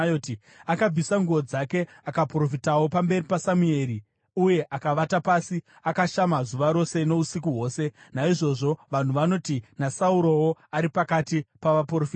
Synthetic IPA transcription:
joti | akab͡visaŋɡuo̞d͡zake̞ | akapro̞fitawo̞pambe̞ripasamue̞ːɾi | uje̞ʔakaʋatapaːsi | akaʃamazuʋaɾo̞se̞no̞usikuɦwo̞ːse̞naiʐo̞ʐo̞ʋan̤uʋano̞tinasauɾo̞woaɾipakatipaʋaprofi

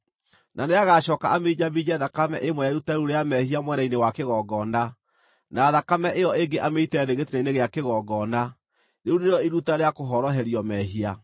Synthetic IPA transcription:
nʔaneaɣaʃɔkaʔamed͡ʑabid͡ʑɛðakamɛʔemwɛjaiɾutaɾuɾeamɛhiamwɛnainewakeɣɔːɡɔna | naːðakamɛʔeɔeŋɡeʔameitɛðeɣetenaineɣeakeɣɔɡɔna | ɾeuneɾejɔiɾutaɾeakoɦɔɾɔɦɛɾiɔmɛɦia

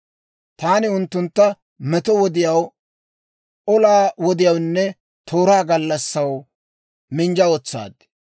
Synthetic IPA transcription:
t̪aːnɪʊnt̪ːʊnt̪ːɐ | mɛt̪ɔwɔd̪ɪjɐw | ʔɔlaːwɔd̪ɪjɐwnːɛ | t̪ʰoːɾaːɡɐlːɐsːɐw | mɪnd͡ʒɐɔt͡sːa̰ːd̪

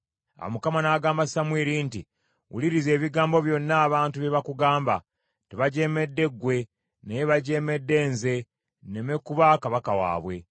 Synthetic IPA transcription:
a̰wo̰mukamanaːɡaːmbasamwiːɾiːnti | wṵliɾize̞ːβiɡaːmbo̞βjo̞nːaːβaːntuβeβakuɡaːmba | teβaɟe̞me̞dːe̞ɡwe̞ | neβaɟe̞ːme̞dːe̞ːnze̞ | neme̞kːuβakaβakawa̰ːβwe̞

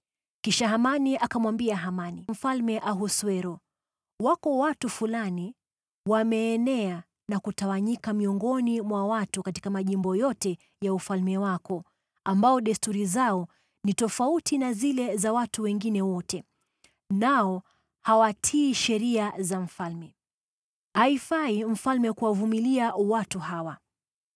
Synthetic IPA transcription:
kiʃaɦamaniʔakamwambiaɦamanim̩falmɛʔaɦuswɛɾɔ | wakɔwatufulani | wamɛːnɛa | nakutawaɲikamiɔŋɡɔnimwawatukati̥kamaʄimbɔjɔtɛ | jaufalmɛwakɔ | ambaɔɗɛstuɾizaɔ | nitɔfautinazilɛzawatuwɛŋɡinɛwɔtɛ | naɔ | hawatʰiːʃɛɾiazaɱ̩falmɛ | haifaim̩falmɛkuwavumiliawatuhawa

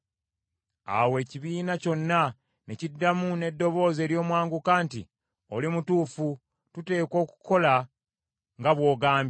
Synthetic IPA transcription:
a̰we̞ːciβiːnaco̞nːa | necidːamune̞dːo̞βo̞ːze̞ːɾjo̞ːmwaːŋɡukaːntḭ | o̞limutuːfu | tute̞ːko̞ːku̥ko̞la | ŋɡaβwo̞ːɡaːmb

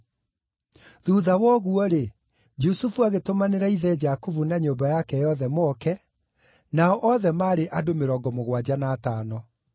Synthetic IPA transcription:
ðuðawɔɣuɔɾe | d͡ʒusufuaɣetomaneɾaiðɛd͡ʒakuvunaɲoːbajakɛjɔðɛmoɔkɛ | naɔʔɔðɛmaːɾeʔadomeɾɔɡɔmoɣwad͡ʑanaːtaːnɔ

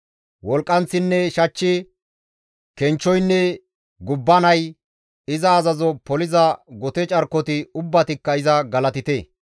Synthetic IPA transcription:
wɔlkʼːɐnt͡sːɪnːɛʃɐt͡ʃːɪ | kɛnt͡ʃːɔjnːɛ | ɡʊbːɐnɐj | ɪzɐːzɐzɔpɔlɪzɐɡɔt̪ɛt͡ʃʼɐɾkːɔt̪ɪʊbːɐt̪ɪkːɐɪzɐɡɐlɐt̪ɪt̪eː

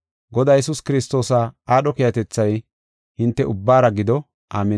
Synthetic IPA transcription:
ɡɔd̪aːjɛsʊskɪɾɪst̪o̞ːsaaːɗɔkɪjɐt̪ɛt͡sːɐj | hɪnt̪ːɛʊbːaːɾɐɡɪd̪ɔ | ʔaːmɛ

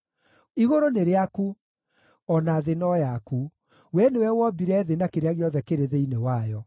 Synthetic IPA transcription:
iɣoɾoneɾeaku | ɔnaðenɔjaku | wɛnewɛwɔbiɾɛðenakeɾeaɣeɔðɛkeɾeðeinewajɔ

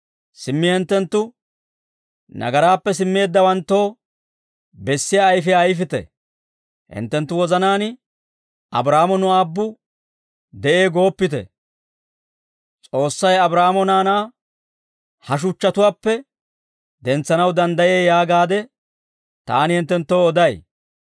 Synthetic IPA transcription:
sɪmːɪhɛnt̪ːɛnt̪ːʊ | nʔɐ̰ɡɐɾaːpːɛsɪmːe̞ːd̪ːɐwɐnt̪ːo̞ː | bɛsːɪjaːjfɪːjfɪt̪ɛ̰ | hɪ̰nt̪ːɛnt̪ːʊwɔzɐnaːn | ɐ̰bɾaːmɔnʊaːbːʊ | d̪ɛʔe̞ːɡo̞ːpːɪt̪ɛ̰ | t͡sʼo̞ːsːɐjɐbɾaːmɔnaːnaː | hɐʃ̬ʊt͡ʃːɐt̪ʊwaːpːɛ | d̪ɛnt͡sːɐnɐwd̪ɐnd̪ɐje̞ːjaːɡaːd̪ɛ | t̪a̰ːnɪhɪnt̪ːɛnt̪ːoːd̪ɐj

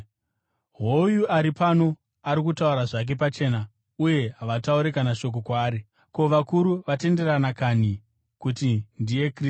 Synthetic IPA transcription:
ɦojuaɾipano̞ | aɾik̬utauɾaʐak̬e̞pat͡ʃe̞ːna | uje̞ɦaʋatauɾekanaʃo̞k̬o̞kwaːɾi | ko̞ʋakuɾuʋate̞nde̞ranakani | kutindije̞kri

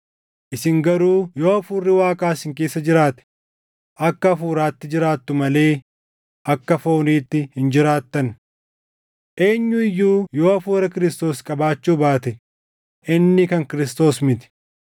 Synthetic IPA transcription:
ʔɪsɪŋɡɐɾuːjo̞ːɐfuːrːɪwaːkʼaːsɪŋk̬eːsːɐd͡ʒɪɾaːt̪ɛ̥ | ʔɐkːɐːfuːɾaːt̪ːɪd͡ʒɪɾaːt̪ːʊmɐle̞ː | ʔɐkːɐfo̞ːniːt̪ːɪhɪnd͡ʒɪɾaːt̪ːɐn | ʔe̞ːɲːʊɪjːuːjo̞ːɐfuːɾɐkɪɾɪst̪o̞ːskʼɐbaːt͡ʃːuːbaːt̪ɛ | ʔɪnːɪkɐŋkɪɾɪst̪o̞ːsmɪt̪ɪ̥

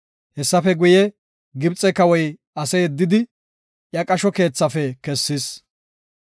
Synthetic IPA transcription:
hɛsːɐfɛɡʊjɛ | ɡɪbt͡sʼːɛkɐwɔj | ɐsɛjɛd̪ːɪd̪ɪ | jɐkʼɐʃɔke̞ːt͡sːɐfɛkɛsːɪs

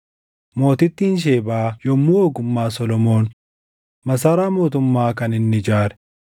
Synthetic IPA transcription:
mo̞ːt̪ɪt̪ːinʃ̬eːbaːjɔmːuːoːɡʊmːaːsɔlɔmo̞ːn | mɐs̬aːɾaːmo̞ːt̪ʊmːaːkɐnɪnːɪd͡ʒaːɾɛ̥

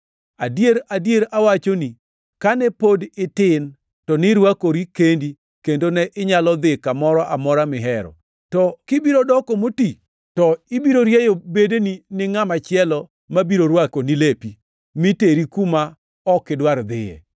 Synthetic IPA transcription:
adjeɾadjeɾawat͡ʃoni | kanɛpodɪtɪn | tɔnɪɾwakoɾikendi | kendonɛʔɪɲalɔd̪ɪkamɔɾɔʔamɔɾamɪɦɛɾɔ̰ | tɔkɪbiɾodɔkomoti | tɔɪbiɾoɾjejobedeninɪŋamat͡ʃɪɛlɔ | mabiɾoɾwakonilepi | mɪteɾikuma | ɔkɪdwaɾd̪ɪjɛ̰

